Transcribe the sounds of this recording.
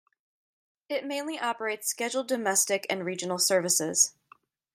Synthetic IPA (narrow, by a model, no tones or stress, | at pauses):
ɪt̚mẽɪ̃nliʔɑpə˞eɪtskɛd͡ʒl̩ˠdɨmɛstɨkɨ̰̃nɹid͡ʒɨn̩l̩ˠsɜ˞vɨsɪz̥